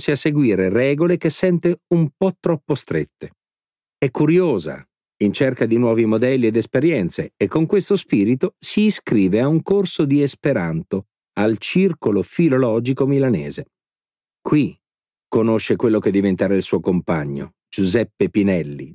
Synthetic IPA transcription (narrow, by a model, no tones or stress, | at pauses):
siaseɡwiːɾerɛːɡolek̟esːɛnt̪eumpɔt̪ːɾɔpːost̪ɾet̪ːe | ɛkːuɾjoːza̰ | int͡ʃerkad̪inwɔːvimod̪ɛlːied̪espeɾjɛnt̪seːkːoŋkwest̪ospiːɾit̪osiːskɾiːveauŋkorsod̪iespeɾant̪o | alt͡ʃirkolofilolɔːd͡ʒikomilanɛ̰ːze | kwi | konoʃːekwelːok̟ed̪ːivent̪aːɾailsuːokompaɲːo̰ | d͡ʒuzɛpːepinɛlːḭ